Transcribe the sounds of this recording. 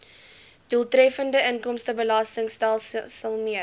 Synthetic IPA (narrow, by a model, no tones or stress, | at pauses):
d̥uəlˠtrɛfəndəənkɔmstəbəlɑstəŋstælˠsəlˠmiə